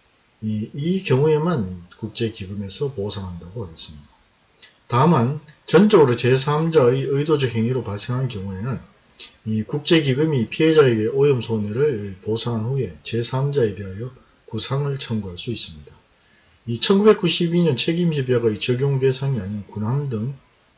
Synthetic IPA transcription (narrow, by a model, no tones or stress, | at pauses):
iikjʌŋue̞mankuk̚t͡ɕ͈e̞kiɡɯme̞sʰʌposʰaŋɦandaɡoaɡes͈ɯmɲid̥a | taɯmant͡ɕʌnt͡ɕ͈ʌɡɯɾot͡ɕe̞s̬ʰamd͡ʑaiɯidod͡ʑʌɦe̞ŋiɾopaɭs͈e̞ŋɦannkjʌŋue̞nɯn | ikuk̚t͡ɕ͈e̞kiɡɯmipʰiɦe̞d͡ʑaeɡeʔojʌmsʰonɯɾɯɭposʰaŋɦanɸue̞t͡ɕe̞sʰamd͡ʑae̞de̞ɦajʌ | kusʰaŋɯɭt͡ɕʰʌŋɡuɦaɭs͈uis͈ɯmɲida | it͡ɕʰʌnɡube̞k͈uɕʰibiɲʌnt͡ɕʰe̞ɡimɕʰibjʌɡait͡ɕʌɡjoŋde̞sʰaŋiaɲinkunɦamdɯŋ